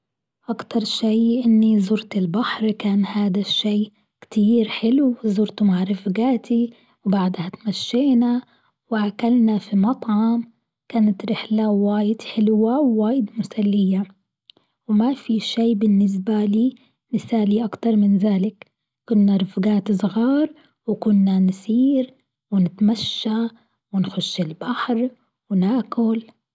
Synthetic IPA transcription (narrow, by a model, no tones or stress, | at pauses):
ʔakt̪ɑɾˤʃiːʔɪnːizʊɾt̪ɪlbaħɾkaːnhaːd̪aʃːeː | kt̪iːɾħɪluwzʊɾt̪umaʕɾˤɪfɡaːt̪ʰi | wbaʕd̪hat̪maʃːɪːna | wʕakalnafimɑt̪ˤʕɑm | kaːnat̪ɾɪħlawaːjɪd̪̥ħɪlwawːaːjɪd̪mʊsalːɪjːa | wmafiʃiːbɪnːɪs̬baliː | nɪsaːliːʔakt̪ɑɾˤmɪnðaːlɪk | kʊnːaɾˤʊfɡaːt̪sˤɣɑːɾˤ | wkʊnːansiːɾ | wɪnɪt̪maʃːa | wɪnxʊʃːɪlbaħɾ | wnaːkʊl